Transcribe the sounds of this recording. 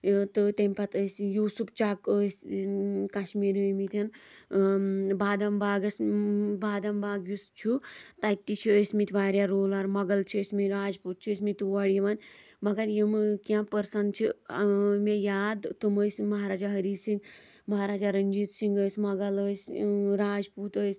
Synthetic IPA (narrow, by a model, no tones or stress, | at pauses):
t̪ɨt̪emʲpɐt̪əsʲjuːsupt͡ʃakəsʲ | kaʃmiːɾimit̪ʲɐn | baːd̪ɐmbaːɡɐsbaːd̪ɐmbaːɡjust͡ʃʰut̪ajt̪ːit͡ʃʰiəsmit̪ʲʋaːɾʲjaɾoːlaɾmɐɡɐlt͡ʃʰiəsʲmiɾaːd͡ʒpuːt̪̚t͡ʃʰiəsʲmit̪ʲuʋɐɽjiʋanʲ | mɐɡɐɾjimkʲãːpəɾsɐn̚t͡ʃʰi | mejaːd̪t̪uməsʲmɐɦaːɾaːd͡ʒaɦɐɾiːsiŋɡ | mɐɦaːɾaːd͡ʒaːɾɐnd͡ʒiːt̪siŋɡəːsʲmɐɡɐləːsʲɾaːd͡ʒpuːt̪əːsʲ